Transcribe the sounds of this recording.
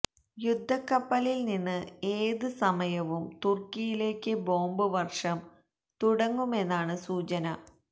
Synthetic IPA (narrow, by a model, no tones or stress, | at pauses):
jud̪ʱːɐkːɐpːɐlilninːɨeːðɨsɐmɐjɐʋumt̪urkijile̞ːkːɨbo̞ːmbɨʋɐrʂɐm | t̪uɽɐŋːume̞nːaːɳɨsuːt͡ɕɐnɐ